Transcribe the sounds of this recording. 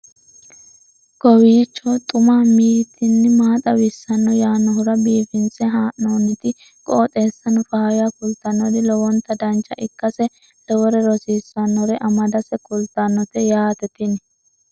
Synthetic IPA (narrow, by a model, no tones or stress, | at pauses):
kɔwiːt͡ʃːɔt̪ʼʊmaːmiːɾɪt̪ːɪnːɪmaːt̪ʼɐwɪsːɐnːɔjaːnːɔɦʊɾɐbiːfɪnsɛɦaːʔoːnːɪt̪ɪ | kʼɔːt̪ʼeːsːɐnɔfaːɐjakʊlt̪ɐnːɔd̪ɪlɔwɔnt̪ɐd̪ɐnt͡ʃːɐʔɪkːɐsɛ | lɔwɔɾɛɾɔsiːsːɐnːɔɾɛʔɐmɐd̪ɐsɛkʊlt̪ːɐnːɔt̪ɛjaːt̪ɛt̪ɪnɛ